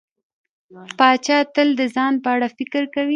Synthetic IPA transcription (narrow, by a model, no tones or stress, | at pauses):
pɑt͡ʃɑt̪əld̪əzɑnpəaɽafɪkəɾkawi